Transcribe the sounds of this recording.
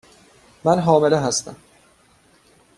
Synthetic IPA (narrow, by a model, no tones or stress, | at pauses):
mænɦɒːme̞leɦæst̪æm